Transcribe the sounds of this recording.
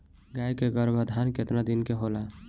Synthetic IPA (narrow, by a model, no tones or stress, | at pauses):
ɡajkeɡəɾbʱəd̪ʱanket̪nad̪inkeɦola